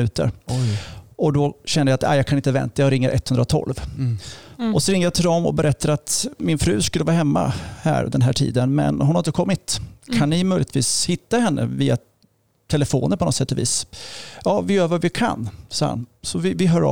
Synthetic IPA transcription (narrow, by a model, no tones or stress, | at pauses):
ʉ̟ːt̪ə̰ɾ | ʔɔd̪ɔɕɛnːəjat̪æ̰jɑːkʰanɪnt̪əvɛ̰nt̪ajɑɾɪŋːəɾʔɛt̪hɵnd̪ɾat̪ʰɔ̰lv | ɔsɔɾɪŋəjɑt̪ʰɪld̪ɔmɔ̰bɛɾʔɛt̪ʰːaɾəat̪mɪnfɾʉ̟ːskɵlːəvɑːɦɛmːa̰hæ̰ːɾd̪ɛnɦæːʈʰḭːd̪ənmɛ̰nhʊnhaɾɪt̪əkʰɔmːɪt̪kʰanːɪmœʏjlɪt̪viːshɪt̪ːahɛnːʔə̰viːa | t̪ʰɛləfoːnəɾpʰɔnɔt̪sɛt̪ːɔvḭːsjɑːvɪjøːɾvəvɪkʰa̰nsɑːha̰nsɔvɪvɪɦœːɾɔ̰